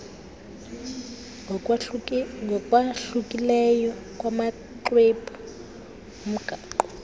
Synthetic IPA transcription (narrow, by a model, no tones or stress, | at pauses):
ŋɔkʼwaɬukʼilɛjɔkʼwama | ǃwepʰʼɔ | m̩ɡʱaːǃɔ